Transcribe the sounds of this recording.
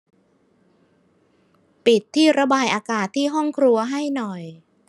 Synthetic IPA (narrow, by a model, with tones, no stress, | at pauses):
pi˨˩t̪ʰːiː˥˩ɾa˧baː˧jʔaː˧kaː˨˩t̪ʰːiː˥˩ɦɔ˥˩ŋkʰɾu˧ɐɦa˥˩jnɔ˨˩j